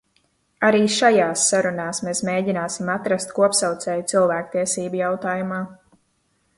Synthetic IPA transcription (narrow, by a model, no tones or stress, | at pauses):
aɾiːʃajaːsːaɾunaːsmeːsmeːɟinaːsimat̪ɾast̪kuɔpsawt̪sɛːjt̪silˠvæːk̚t̪iɛsiːbujawt̪aːjumaː